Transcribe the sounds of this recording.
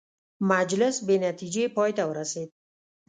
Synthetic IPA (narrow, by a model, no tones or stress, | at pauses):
mad͡ʒlɪsbenat̪ʰid͡ʒeipɒjt̪ʰawɾasid̪̥̚